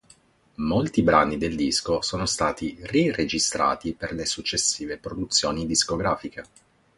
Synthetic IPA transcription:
molt̪ibɾaːnid̪eld̪iskosoːnost̪aːt̪irired͡ʒist̪ɾa̰ːt̪iperlesut͡ʃːesːiːvepɾod̪ut̪sːjoːnid̪iskoɡɾaːfike

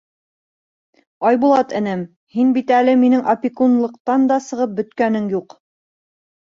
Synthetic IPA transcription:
ɑjbulˠɑt̪ɘ̆nɘm | hinbit̪ælɘminɘŋʔɐpʲikunlˠɤ̆qt̪ɑnd̪ɑsɤ̆ʁɤp̚bɵ̆t̪kænɘŋjuq

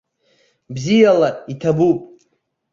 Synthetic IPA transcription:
bzijalaitʰabupʼ

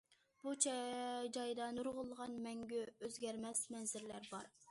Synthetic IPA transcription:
b̥ut͡ʃʰd͡ʒɑjd̪ɑnuɾʁʊlˠːəʁɑnmɛŋɡʲyøzɡʲɛɾmɛsmɛnzɪɾlæɾbɑɾ

